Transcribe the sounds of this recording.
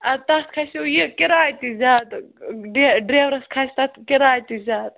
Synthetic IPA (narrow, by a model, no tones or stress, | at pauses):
ɐt̪at̪kʰasijikiɾaːjt̪izʲaːt̪ɖeɖɾeːʋɾɐskʰajst̪at̪kiɾaːjt̪izaːt̪̚